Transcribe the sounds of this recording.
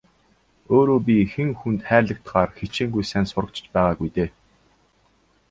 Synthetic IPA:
oːɾoːp̬ʲixɘ̆ŋxunt̪χæːɮə̆k̚t̪χaːrxet͡ɕiːŋɡujsænsʊrə̆kt͡ɕ̆t͡ɕpæːʁaːɡujt̪eː

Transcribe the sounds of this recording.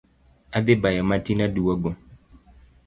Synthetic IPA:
ad̪ebajamatinaduwɔɡo

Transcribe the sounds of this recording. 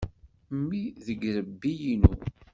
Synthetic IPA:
mːiðəɡɾəbːijinu

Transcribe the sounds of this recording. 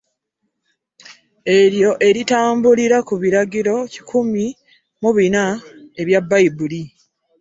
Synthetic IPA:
e̞ɾjo̞ʔe̞ɾitaːmbuliɾakuβiɾaɡiɾo̞ci̥kʰumi | muβinae̞βjabːaibuli

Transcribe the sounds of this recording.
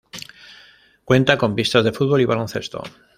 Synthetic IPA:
kwe̞nt̪ako̞mpist̪azðe̞fud̪̚βo̞liβalonθe̞st̪o̞̰

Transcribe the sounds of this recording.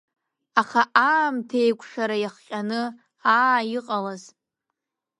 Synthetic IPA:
aχaʔaːmtʰejkʷʼʰʂaɾajaχqʲʼanɨ | aːjiqʼalaz

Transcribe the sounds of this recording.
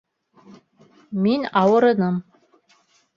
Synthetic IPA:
minɑwɤ̆ɾɤ̆nɤm

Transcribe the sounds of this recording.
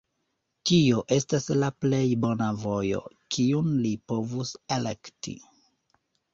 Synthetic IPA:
tio̞ʔe̞staslaple̞jbo̞navo̞jo̞̰kʰiunlipo̞vuselektḭ

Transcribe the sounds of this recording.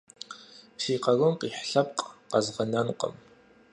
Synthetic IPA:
pʰsiːqɐɣʊmqiːħɬɐp̚qʼqɐzʁɐnɐnqʼə̰m

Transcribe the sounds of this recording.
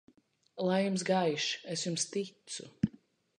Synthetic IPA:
lˠajjumsɡajʃesjumst̪it̪sṵ

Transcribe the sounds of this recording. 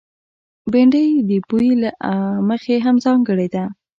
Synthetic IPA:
beɳɖəjd̪əbujilaʔməxeɦamzɑŋɡəɽed̪a

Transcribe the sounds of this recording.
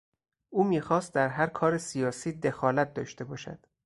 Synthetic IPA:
ʔuːmiːxɒːst̪̚d̪æɾɦæɾkʰɒːɾesijɒːsiːd̪exɒːlæt̪̚d̪ɒːʃt̪e̞bɒːʃæ̰d̪̥

